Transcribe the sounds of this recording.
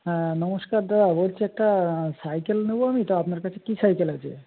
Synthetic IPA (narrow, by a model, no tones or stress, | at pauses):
ɦɛ̃nɔmoskaɾd̪adabolt͡ɕʰeɛk̚ʈasajkelneboamit̪oapnaɾkat͡ɕʰekisajkelat͡ɕʰḛ